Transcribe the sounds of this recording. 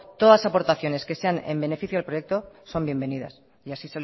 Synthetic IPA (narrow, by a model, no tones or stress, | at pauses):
t̪o̞ðasapo̞ɾt̪aθjo̞ne̞ske̞se̞anḛmbe̞ne̞fiθjoalpɾo̞je̞k̚t̪o̞so̞mbjembe̞niða̰s | iasise